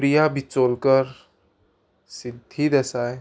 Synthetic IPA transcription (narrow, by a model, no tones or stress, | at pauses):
pɾijabʱit͡soːlkəɾ | sɪd̪ʱːid̪ɛsaːe